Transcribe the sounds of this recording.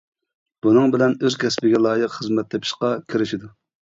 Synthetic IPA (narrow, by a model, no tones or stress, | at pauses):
b̥unɨŋbɪlɛnøzkʲʰɛspɪɡʲɛlˠɑːjəqχəzmɛt̪ʰlɛpʰɪ̥ʃqɑkʲʰiɾɪʃid̪u